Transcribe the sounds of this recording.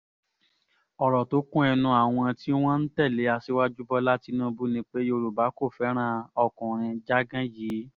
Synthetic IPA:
ɔ˨ɾɔ˨to˨˦kũ˦ɛ˧nũ˧a˨w̃ɔ̃˧ti˦w̃ɔ̃˦n̩˦tɛ˦˨le˨˦a˧si˦wa˦d͡ʒu˦bɔ˧la˦ti˧nũ˦bu˦nĩ˧˦k͡pe˦jo˧ɾu˨ba˨˦ko˦˨fɛ˨˦ɾ̃ã˦˨ɔ˧kɔ̃˨ɾ̃ĩ˧d͡ʒa˦ɡã˦jiː˨˦

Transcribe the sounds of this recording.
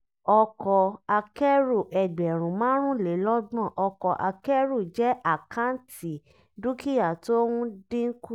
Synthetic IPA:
ɔ˧kɔ˧a˧kɛ˦ɾu˦˨ʔɛ˨ɡ͡bɛ˨ɾ̃ũ˨mãː˦ɾ̃ũ˦le˨˦lɔ˦d̃ɔ̃˦˨ʔɔ˧kɔ˧ʔa˧kɛ˦ɾu˦˨d͡ʒɛ˦ʔa˦˨kʰã˦ti˨ | du˦ki˦ja˦˨to˦wũ˦dĩ˦ku˦

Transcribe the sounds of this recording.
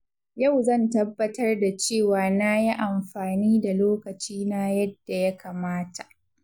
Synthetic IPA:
ja˦˨wzɐ˦˨ntɐ˦bːɐ˦tɐ˦rda˨t͡ʃeː˦˨waː˨naː˦ji˦ʔa˨mɸaː˨niː˦da˨loː˦kɐ˨t͡ʃiː˦na˦jɐ˦d̥ːa˨ja˦kaː˨maː˦tʰḁ˨ʔ

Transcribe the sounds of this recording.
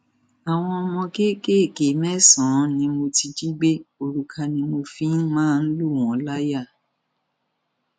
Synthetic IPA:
a˨w̃ɔ̃˧mɔ̃˧ke˦ke˦e˦˨ke˨˦mɛ˦sɔ̃˨˦nĩ˧mo˧ti˧d͡ʒi˦ɡ͡be˦o˧ɾu˨kʰa˧nĩ˧mo˧fĩ˦mãː˦˧n̩˦lu˦˨w̃ɔ̃˨˦la˦ja˦˨

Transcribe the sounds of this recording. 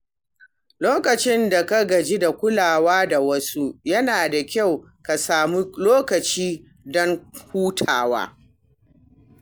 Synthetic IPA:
loː˦kɐ˨t͡ʃɪ˦nda˨ka˦ɡɐ˨d͡ʒi˦da˨kʷʊ˦laː˨waː˦da˨wɐ˦su˦jɐ˦naː˨da˨kʲa˦˨w | ka˨saː˨mu˦loː˦kɐ˨t͡ʃiː˦ | dɔ˦ŋhuː˦tʰa̰ː˨wa̰ː˦

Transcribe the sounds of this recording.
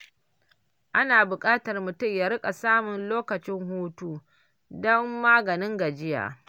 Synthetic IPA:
ʔa˦naː˨bʊ˨kʼaː˦tɐ˨rmʊ˨tʊ˦mja˨ɾɪ˦kʼa˨saː˦mʊ˨nloː˦kɐ˨t͡ʃɪ˦ŋhuː˦tuː˦ | dɔ˦mːaː˦ɡɐ˨nɪ˦ŋɡa˨d͡ʒɪ˦ja̰ː˨

